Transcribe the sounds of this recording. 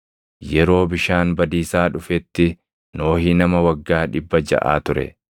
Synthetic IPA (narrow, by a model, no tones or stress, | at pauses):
jɛɾo̞ːbɪʃaːnbɐd̪iːsaːᶑʊfɛt̪ːɪ | no̞ːhiːnɐmɐwɐɡːaːᶑɪbːɐd͡ʒɐ̰ʔa̰ːt̪ʊɾɛ̰